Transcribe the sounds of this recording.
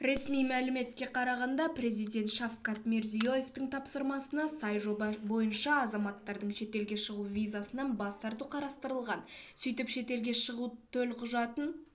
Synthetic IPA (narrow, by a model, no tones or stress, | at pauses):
ɾe̞smijmælɪme̞t̪kʲe̞qʰɑɾɑʁɑnd̪ɑpɾe̞zijd̪ʲe̞nt̪ʃɑfqɑt̪me̞ɾzijo̞je̞ft̪əɴt̪ʰɑpsəɾmɑsənɑsɑjʒo̞bɑbo̞jənʃɑːzɑmɑt̪ːɑɾd̪əɴʃe̞t̪e̞lɡʲe̞ʃəʁuvʲijzasənɑnbɑst̪ɑɾt̪uqʰɑɾɑst̪əɾəlˠʁɑnsʏjt̪ɪpʃe̞t̪e̞lɡʲe̞ʃəʁut̪ʰɵlqʰʊʒɑt̪ən